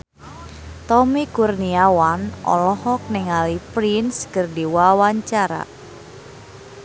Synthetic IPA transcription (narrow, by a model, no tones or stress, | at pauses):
t̪ɔmikurniawanʔɔ̰lɔhɔk̚nɪŋalipɾinskərdiwawaɲt͡ʃaɾa̰